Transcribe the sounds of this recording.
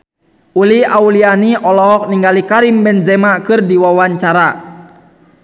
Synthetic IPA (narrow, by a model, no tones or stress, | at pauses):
uliaulianiʔɔlɔɦɔk̚niŋɡalikaɾimbɛnzɛmakɨrdiwawaɲt͡ʃaɾa